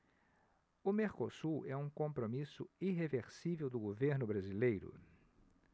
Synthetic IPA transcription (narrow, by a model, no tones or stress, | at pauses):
ʊmeɾkosuɾɛũkõmpɾomisʊiɦeveɾsivewd̪ʊɡoveɾnʊbɾazilejɾʊ̰